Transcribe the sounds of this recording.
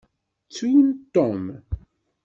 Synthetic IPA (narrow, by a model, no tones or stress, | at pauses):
t͡sːujənt̪ːom